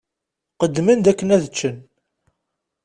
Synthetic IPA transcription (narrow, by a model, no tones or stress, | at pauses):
qəd̪ːmənd̪ækːənæðət͡ʃːən